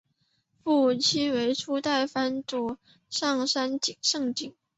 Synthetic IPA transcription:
fu˥˩t͡ɕʰi˥we˧˥ɪʈ͡ʂʰu˥t̪a˥˩ɪfa˥nʈ͡ʂu˨˩ | ʂɑ˥˩ŋʂa˥nt͡ɕi˨˩ŋʂɤ˥˧ŋt͡ɕi˨˩˦ŋ

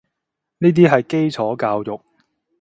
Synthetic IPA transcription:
niː˥t̪̬iː˥ɦɐ˨jke˥jt͡sʰɔː˨˥kaː˧wjʊ˨k̚

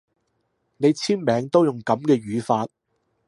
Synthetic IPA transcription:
ne˨˧jt͡sʰiː˥nmɛː˨˧ŋt̪o˥wjʊ˨˩ŋkɐ˨˥mkɛː˧ɥyː˨˧faː˧t̚

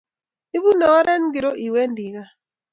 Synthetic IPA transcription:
i˦βu˦nɔ˨ɣa˦ɾɛ˦n˦ɡi˨ɾo˦ʔi˨we˦ndi˨ɣa˦

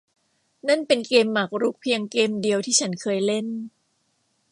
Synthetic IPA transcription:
na˥˩npe˧nkeː˧mːa˨˩k̚ɾu˦˥k̚pʰi˧əŋkeː˧mdi˧əwt̪ʰiː˥˩t͡ɕʰa˦˥nkʰɤː˧jle˥˩n

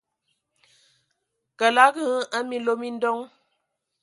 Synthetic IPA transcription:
kə˨la˦ɡə˦ə˦mi˨˦lo˦mi˦n̩˦dɔ˦ŋ

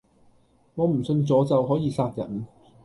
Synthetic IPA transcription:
ŋɔː˨˧m̩˨˩sɵ˧nt͡sɔː˨˥t͡sɐ˨wɦɔː˨˥jiː˨˧saː˧t̚jɐ̰˨˩n

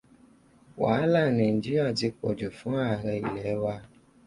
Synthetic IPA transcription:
wa˨˦la˦˨ne˨n˨d͡ʒi˦ɾi˦a˦˨di˧k͡pɔ̰˨d͡ʒu˨fũ˦a˦˨ɾɛ˧i˨lɛ˨˦wa˦

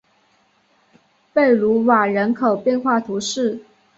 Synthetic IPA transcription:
pe˥˩ɪlu˧˥wa˨˩ɻə˧˥nkʰo˨˩ʊpjɛ˥˧nxwa˥˩t̪ʰu˧˥ʂɻ̩˥˩

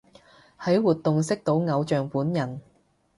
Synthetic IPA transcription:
hɐ˨˥jwuː˨t̚t̪ːʊ˨ŋsɪ˥k̚t̪o˨˥wŋɐ˨˧wt͡ʃœː˨ŋpuː˨˥njɐ˨˩n

